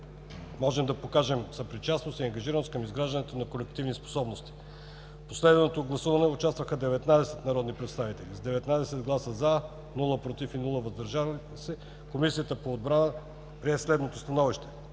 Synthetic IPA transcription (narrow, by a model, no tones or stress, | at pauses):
mɔʒɛmd̪ɐpokaʒɛmsɐpɾit͡ʃasnost̪iɐŋɡɐʒiɾənoskəmizɡɾaʒd̪ənɛt̪onɐkolɛkt̪ivnispo̥sɔbnost̪i̥ | poslɛd̪vɛnot̪oɡlˠɐsuvɐnɛʊt͡ʃast̪vəxəd̪ɛvɛt̪nad̪ɛsɛt̪nɐɾɔd̪nipɾɛt̪st̪avit̪ɛlizd̪ɛvɛt̪nad̪ɛsɛd̪ɡlˠasəza | nulˠəpɾot̪ifinulˠəvɐzd̪ɐɾʒa | sɛ | komisijət̪əpoːd̪̚bɾanə | pɾiɛslɛd̪not̪ost̪ɐnɔviʃt̪ɛ̥